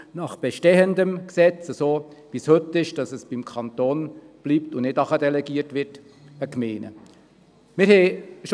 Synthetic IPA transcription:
nɑχb̥ɛʃtɛəndəmksɛt͡səsoːb̥ishɵtːɪʃd̥ɑsəsb̥imkʰɑnt̪oːn | b̥liːptʊnɪdɑχədɛlɛɡiːəɾtʋɪrt | əkmeːnə̰ | mɪɾhɛʃ

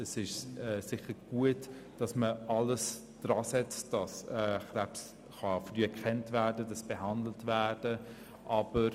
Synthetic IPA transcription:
əsɪʃɛːsɪχəɾɡ̥uət | d̥ɑsməʔɑləs | d̥ɾɑːsɛt͡sd̥ɑsɛːχɾæps | χɑfryːɛkχɛntvæːdədɑsb̥eɦɑndl̩tvæːd̥ə | ʔɑb̥əɾ

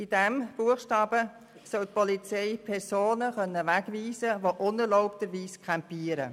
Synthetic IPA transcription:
id̥ɛmb̥uəχʃtɑːb̥ə | sœlt̚pɔlit͡sɛɪpʰɛɾsoːnəχœnːəʋæɡʋiːsəʋoʔʊnɛɾlɔʊptəɾʋiːskʰampiːəɾə̰

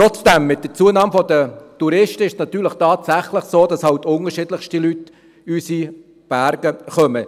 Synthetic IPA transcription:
ɾɔt͡sd̥ɛmːɪt̚dət͡suːənɑːmfɔdətuɾɪʃtəɪʃsnɑt̪yːɾləχtɑːt̪sæχləχsoːd̥ɑshɑwtʊŋəʃɪdləχʃtilyt | ysi | b̥æɾɡ̥əχœmə

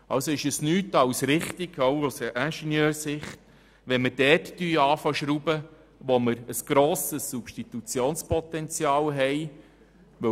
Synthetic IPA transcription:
ɑlsoɪʃəsnyːtɑwsɾɪχtiɡ̥owosʔænʃɛnjœːɾsɪχt | ʋɛnmədɛːtːyːɑːfɑʃɾubə | ʋoməɾəsɡ̥ɾoːsəsːupʃtit̪ut͡sjoːnspɔt̪ɛnt͡sjɑːlɦɛj | ʋɵ

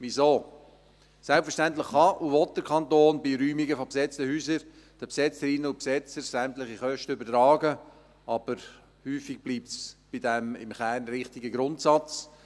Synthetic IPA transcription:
ʋizoː | sɛlpfəɾʃtæntlɪχːɑʔuʋɔt̚d̥əɾkʰɑntoːnbɪɾyːmɪɡəfopsɛt͡stəhyːsəɾ | d̥əpsɛt͡səɾɪnəʊpsɛt͡səɾsæmtlɪχiχœʃtəʏbəɾtɾɑːɡə | ʔɑb̥əɾ | hyːfɪɡ̚b̥liːp̚tsb̥ɪdɛmɪ̰mχæːɾnɾɪχtɪɡəɡɾʊntsɑt͡s

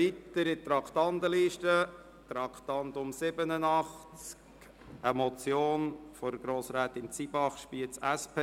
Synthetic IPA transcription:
it̪əɾɪt̪ɾɑkχt̪ɑnd̪əliːʃtə | t̪ɾɑkt̪ɑnd̪ʊmsɪbənənɑχt͡skk | əmɔt͡sjoːnfɔɾɡ̥ɾoːsɾæːt̪ɪnt͡sibɑχʃpiːət͡sæspʰe

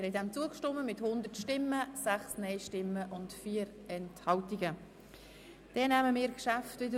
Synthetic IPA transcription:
ɛɾhɛdɛmt͡suəkʃtɔmːəmɪthʊnd̪əɾtʃtɪmːəsæχsnɛɪʃtɪmːəʔʊntfiːəɾ | ɛnthɑltiɡə | d̥ɛnæːməmɪːɾkʃæftvɪdə

